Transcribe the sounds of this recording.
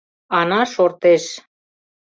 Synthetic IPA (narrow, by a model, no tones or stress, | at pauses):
ɑnɑʃort̪eʃ